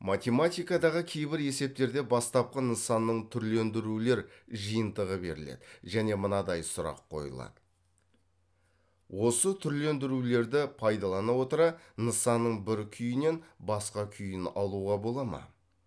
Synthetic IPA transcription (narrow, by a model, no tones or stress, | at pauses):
mat̪ʲe̞mat̪ʲijkɑd̪ɑʁəkʲʰe̞jbɪɾe̞se̞p̚t̪e̞ɾd̪e̞bɑst̪ɑp̚qɑnəsɑnːəɴt̪ʰʏɾle̞nd̪ɪɾule̞ɾʒɨjənt̪əʁəbe̞ɾɪ̰le̞̰d̪̥ɪʒæne̞mənɑd̪ɑjsʊɾɑ̰qʰːo̞̰jə̰lˠɑ̰d̪ə | wo̞sət̪ʰʏɾle̞nd̪ɪɾule̞ɾd̪ɪpʰɑjd̪ɑlˠɑnɑwo̞t̪əɾɑnəsɑnːəɴbɪɾkʲʰʏjɪne̞nbɑsqɑkʲʰʏjɪnɑlˠuʁɑbo̞lˠɑmɑ̰